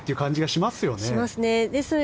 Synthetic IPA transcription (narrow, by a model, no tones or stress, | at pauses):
t̪ːeiɯ̟kãɲ̟d͡ʑiɡaɕimasɨjo̞neimasɨne̞d̪esɨn